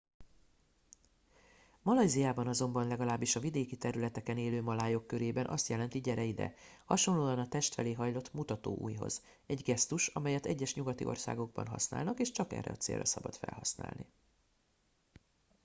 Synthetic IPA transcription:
mɒlɒjzijaːbɒnɒzo̞mbɒnlɛɡɒlaːbːiʃɒvid̪eːkit̪ɛɾylɛt̪ɛkɛneːløːmɒlaːjo̞kːøɾeːbɛnʔɒ̰st̪jɛlɛnt̪iɟɛɾɛjid̪ɛ̰hɒʃo̞nloːɒnɒt̪ɛʃt̪fɛleːɦɒjlo̞t̪ːmut̪ɒt̪o̰ːʔṵːjɦo̞̰z | ɛɟɡɛst̪uʃɒmɛjɛt̪ɛ̰ɟːɛʃɲuɡɒt̪ḭʔo̞̰rsa̰ːɡo̞ɡ̚bɒ̰nɦɒ̰sna̰ːlnɒkeːʃt͡ʃɒkɛ̰rːɛ̰ɒt̪sḛːrʔɛsɒbɒ̰t̪fɛ̰lɦɒsna̰ːlnḭ

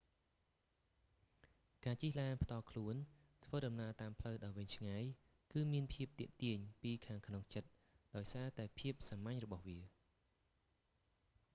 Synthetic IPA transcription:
kaːt͡ɕihlaːnpʰt̪ɑːlkʰluən | t̪ʰʋəːɗɑmnaət̪aːmpʰləwɗaɔjʋɨɲt͡ɕʰŋaːj | kɨːmiənpʰiəp̚t̪iəʔt̪iəɲpiːkʰaːŋkʰnoŋt͡ɕət̪̚ | ɗaɔjsaːt̪aɛpʰiəp̚samaɲrɔɓɑhʋiə

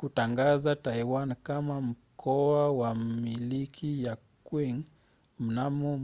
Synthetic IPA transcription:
kutaŋɡazataiwankamam̩kʰɔawamilikʰijakwiŋ | m̩namɔ

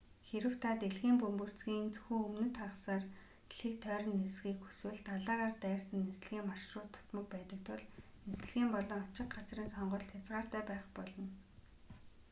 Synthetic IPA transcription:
xeɾɘ̆w̥t̪ʰat̪eɮɣiːmpɵmpɵ̆r̥t͡sɡiːnt͡sɵxuːɵmnɵ̆nt̪χaʁəsaːr | ɮiːk̚t̪ʰœːɾə̆nːesɣiːkxu̥swɘ̆ɮt̪aɮaːʁaːrt̪æːrsə̆nːes̆ɮɣiːŋmarʃrʊːt̪ʰːʊ̥t̪mɞ̆k̚pæːt̪ə̆k̚t̪ʰʊɮnes̆ɮɣiːmpɔɮɞ̆ŋɔt͡ɕɪ̆qɢat͡srĭnsɔɴɢɞ̆ɬt̪ʰjat͡sʁaːr̥t̪ʰæːpæːχpɔɮɞ̆n

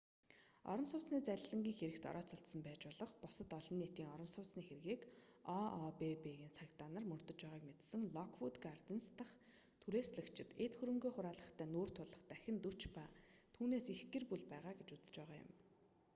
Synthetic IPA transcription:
ɔ̰ɾə̆msʊwɮsniːt͡sæɮʲɮə̆ŋɡʲiːŋxeɾɘ̆kt̪ɔ̰ɾɔːt͡sʊɬt̪sə̆mpæːt͡ɕpʊːɮɞ̆χpʊsə̆t̪ɔɮɞ̆nːet̪iːŋɔɾə̆msʊwɮsniːxeɾ̆ɣiːkɔɔpepeɣiːnt͡sʰakt̪aːnə̆rmɵrt̪ɞ̆t͡ɕpæːʁaːkmet̪sɘ̆ŋɮɔkʰwut̪ɡart̪ĕnst̪ʰə̆χ | t̪ʰuɾeːsɮə̆kt͡ɕʰɪ̆t̪et̪xɵɾɵ̆ŋɡoːχʊɾaːɮə̆χt̪ʰæːnuːr̥t̪ʰʊɮə̆χt̪æxʲɪ̆nt̪ut͡ɕpaːt̪ʰuːneːsixɡerpuɮpæːʁaːɡet͡ɕut͡sə̥t͡ɕpæːʁaːjʊ̰m

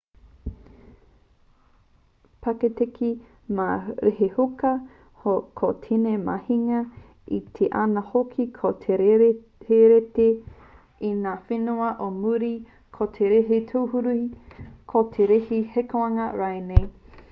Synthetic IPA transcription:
pʰɐketekʰi | maɾeɦehukɐ | hokʰotʰinemɐ̰hiŋɐ | it̪ʰeʔanɐhokʰikʰotʰeɾ | heɾete | inaːfenuɐʔomuɾi | kʰotʰeɾeɦitʰowhuɾu | kʰotʰeɾehihekoɐŋɐɾajnej

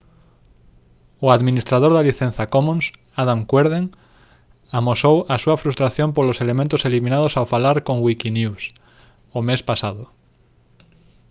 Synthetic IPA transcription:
ʊaðminist̪ɾaðoɾðaliθẽn̟θakomũns | aðamkweɾð̞eŋ | amosowasuɐfɾust̪ɾaθjõmpoloselemẽnt̪oseliminað̞osawfalaɾkõŋwikinjuws | omespasaðʊ

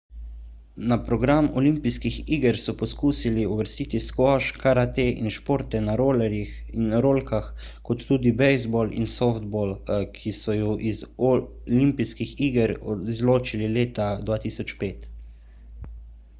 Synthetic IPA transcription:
napɾɔɡɾamɔlimpiskixiːɡəɾsɔpɔskuːsiliuʋəɾst̪iːt̪iskɔʃkʰaɾat̪eʔḭnʃpoːɾt̪ɛnaɾolɛɾixinɾoːlkax | kɔt̪ːuːd̪ibɛjzbɔlḭnsɔfd̪̚bɔːlkʰisɔjɔʔizɔ | limpiskixiːɡəɾɔzloːt͡ʃilileːt̪ad̪ʋaːt̪iːsɔt͡ʃpeːt̪

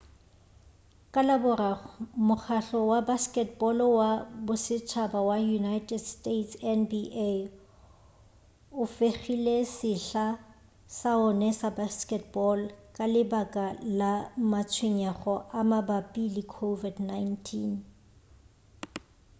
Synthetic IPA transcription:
kʼalabʊramʊk͡xʰaɬɔwabaskʼɛtbɔlwabʊsɪt͡ʃʰabawajunajtʰʼɛdstetsɛnbiʔe | ʊfeχilesɪɬa | saʊnɛsabaskʼɛtbɔlkʼalɪbakʼalamat͡sʰweɲaχɔʔamabapʼilɪkʰovidnajntʰin

